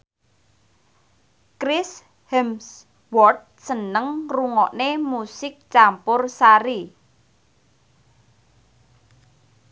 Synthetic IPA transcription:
kɾɪs | hɛms | wɔrt̪̚sənəŋruŋɔʔnemusɪk̚t͡ʃampʊrsaɾi

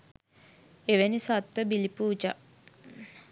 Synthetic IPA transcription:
eʋenisat̪ʋəbilipuːd͡ʒa̰

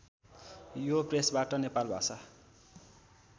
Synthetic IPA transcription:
jopresbaʈʌnepalbʱa̰sa

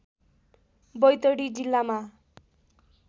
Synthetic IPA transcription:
bʌjt̪ʌɽid͡zilːama

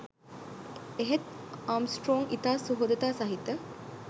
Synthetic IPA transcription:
eɦet̪aːmsʈɾoːŋit̪aːsuɦod̪ɐt̪aːsɐɦit̪ɐ

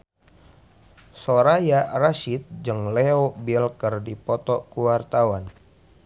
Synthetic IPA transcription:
soɾajaraʃit̪̚d͡ʒɨŋleobilkərdipɔt̪ɔkuwart̪awan

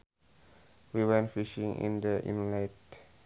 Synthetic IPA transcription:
wiwɛ̃nfiʃĩŋḭ̃ndəʔḭ̃nlaɪt

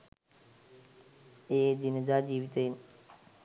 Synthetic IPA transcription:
eːd̪ɪnd̪aːd͡ʑiːʋɪt̪əɦɪn

